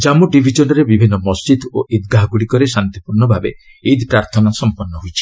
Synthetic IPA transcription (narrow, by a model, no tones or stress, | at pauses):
d͡ʒamuɖibʱid͡ʒɔnɔɾebibʱinːɔmɔsd͡ʒid̪oʔid̪ɡaɦɔɡuɽikɔɾesant̪ipuɾɳɔbʱabe | id̪pɾaɾt̪ʰɔnasɔmpɔnːɔɦujt͡ʃʰi̥